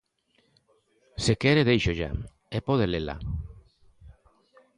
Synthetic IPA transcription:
sekɛɾeðejʃoʒa̰ | ɛpɔð̞elela̰

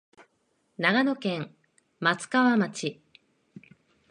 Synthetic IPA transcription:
naɡano̞kẽ̞ŋ | mat͡sɨ̥kaβamat͡ɕi

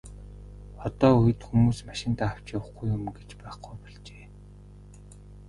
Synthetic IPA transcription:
ɔt̪ɔːujɘ̆t̪xumuːsmaʃɪ̆nt̪aːaw̥t͡ɕawə̆χɡujʊmɡet͡ɕpæːχɡujpɔɮt͡ɕeː

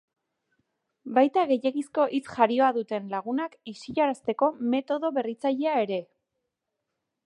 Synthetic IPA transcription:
bajt̪aɣe̞je̞ɣisko̞ʔit͡sʝaɾio̞aðut̪e̞nlaɣ̞unakisiʎaɾast̪e̞ko̞me̞t̪o̞ðo̞βe̞rit͡saʎe̞ae̞ɾe̞

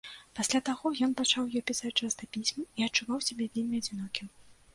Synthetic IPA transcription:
pasʲlʲat̪aɣɔjɔn̪pat͡ʂawjɔpʲisat͡sʲt͡ʂast̪ɐpʲisʲmɐiɐt͡ʂːuvawsʲabʲɛvʲelʲmʲiɐd͡zʲinɔkʲiw

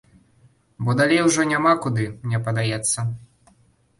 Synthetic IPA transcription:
bɔd̪alʲejwʐɔnʲamakud̪ɨmnʲɛpɐd̪ajɛt̪sːɐ

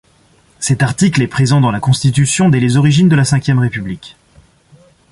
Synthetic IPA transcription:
sɛt̪aʁt̪iklɛpχezɑ̃d̪ɑ̃lakɔ̃st̪it̪̬ysjɔ̃d̪ɛlezɔʁiʒind̪əlasɛ̃kʲjɛmʁepyblikʲ

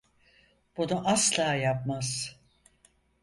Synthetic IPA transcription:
b̥unuʔaslˠaːjapmaz̥

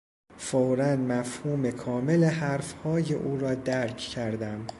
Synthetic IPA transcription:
fowɾænmæfhuːmekʰɒːmelehæɾfhɒːjeʔuːɾɒːd̪æɾcʰcʰæɾd̪æm

